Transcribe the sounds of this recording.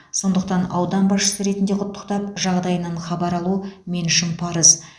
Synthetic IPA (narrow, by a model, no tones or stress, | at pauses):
so̞nd̪əq̚t̪ɑnɑwd̪ɑnbɑsʃə̥səɾe̞t̪ɪnd̪e̞qʰʊt̪ʰːəqt̪ɑp̚ʒɑʁd̪ɑjənɑɴχɑbɑɾɑlˠumenʃɪmpʰɑɾəz